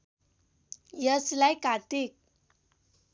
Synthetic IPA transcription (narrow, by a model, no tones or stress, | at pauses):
jəslajkat̪ik̚